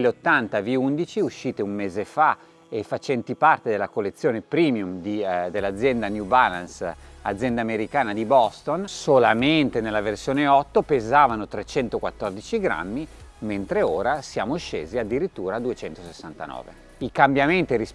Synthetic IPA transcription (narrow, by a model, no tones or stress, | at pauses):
lːeot̪ːant̪aviund̪it͡ʃiuʃːiːt̪eumːeːzefa | efat͡ʃɛnt̪ipart̪ed̪elːakolːet̪sːjoːnepɾiːmjumd̪id̪elːad̪zːjɛnd̪anjubalansa̰d̪zːjɛnd̪aːmeɾikaːnad̪ibɔst̪onsolament̪enelːaversjoːneɔt̪ːopezaːvanot̪ɾet͡ʃɛnt̪okwat̪ːɔrd̪it͡ʃiɡɾa̰mːiment̪ɾeoːɾasjaːmoʃḛːziad̪ːiɾit̪ːuːɾad̪uet͡ʃɛnt̪osesːant̪a̰nɔ̰ːvḛ | ikambjament̪iɾis